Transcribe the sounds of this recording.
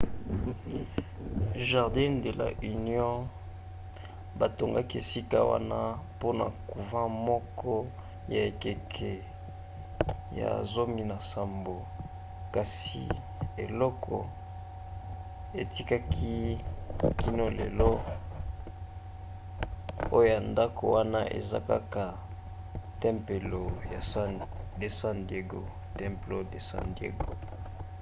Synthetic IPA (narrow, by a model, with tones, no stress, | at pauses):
ʒa˨ʁdɛ˦nde˨la̰˨ʔy˨njɔ̃˦ | ba˨to˨ŋɡa˦ki˦e˨si˦ka˦wa̰˦na˦po˦na˨ku˨vã˦mɔ˦kʰɔ˦ | ja˨e˨ke˨kʰɛ˨ | ja̰˨zo˦mi˦na˨sa˨mbo˨ | ka˨sḭ˨ | e˨lɔ˦kʰɔ˨ | e˨ti˦ka˦kʰi˦ | ki˦no˦lḛ˨lɔ˦ | o˦jo˦˨ja˨nda˦ko˨wa˦na˦ʔḛ˨za̰˦ka̰˦ka˨ | tɛ˦mpe˨lo˨ja˨˦de˨sa˦ndje˦ɡo˨ | tɛ̃˦mplo˦de˨sa̰˨ndiḛ˦ɡo˨